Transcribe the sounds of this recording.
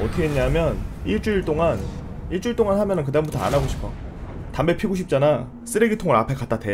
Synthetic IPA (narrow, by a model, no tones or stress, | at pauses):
ʌtʰɯɡeeɲːamjʌniɭt͡ɕ͈uiɭt͈oŋaniɭt͡ɕ͈uiɭt͈oŋanɦamjʌnɯnk̬ɯdaɯmbutʰʌa̰naɡoɕʰi̥pʰʌ | tambe̞pʰiɡoɕ̬ʰip̚t͡ɕ͈ana | s͈ɯɾeɡitʰoŋɯɾapʰakat͈atdʰe